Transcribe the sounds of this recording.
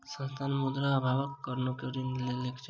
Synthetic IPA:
sə̃nst̪ʰanmud̪ɾaːbʱabɔkːɔɾnokeɾinlelekʰt͡ʃ

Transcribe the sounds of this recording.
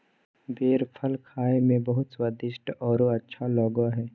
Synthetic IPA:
beːɾpʰəlkʰaːemẽbɐɦʊt̪swad̪ɪʃʈɔːɾoɐtːʃʰalɔːɡoɦɛː

